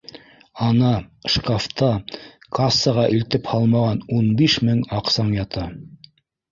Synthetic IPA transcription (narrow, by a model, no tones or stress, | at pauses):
ɑnɑʃkaft̪ɑkasːɑʁɑʔɵ̆lt̪ɘphɑlˠmɑʁɑnunbiʃmɘŋɑqsɑŋjɑt̪ɑ